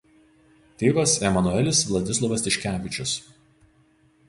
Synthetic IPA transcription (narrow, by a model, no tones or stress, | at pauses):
t̪ʲeːʋɐsɛmɐnʊɛlʲɪsʋlˠɐd̪ʲɪslˠɐʋɐst̪ʲɪʃʲkʲæːʋʲɪt͡ʃʲʊs